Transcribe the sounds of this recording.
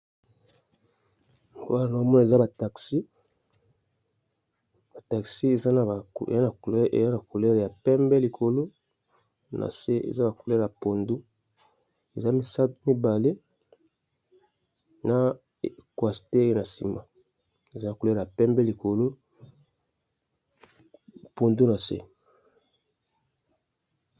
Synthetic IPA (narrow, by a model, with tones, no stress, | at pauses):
ŋ˦ɡo˦a˦a˨na˨˦o˦mɔ˦na˨e˨za˦ba˨ta˨ksi˦ | b̥a˨ta˨ksi˦e˨za˦na˨ḛ˨za˦na˨kʔḛ˨za˦na˨ku˨lɛ˦ʁja˨pɛ˦mbɛ˦li˨kʰo˨lo˦ | nʔa̰˨se˦ḛ˨za˦na˨ku˨lɛ˦ja˨po˨ndu˦ | e˨za˦mi˨sa˦tmi˦ba˨le˦ | na˨ | kwa˨si̥˨te˦e˦je˦na˨sḭ˨ma˨ | e˨za˦na˨ku˨lɛ˦˨a˨pɛ˦mbɛ˦li˨ko˨lo˦ | po˨ndu˦na˨sḛ˦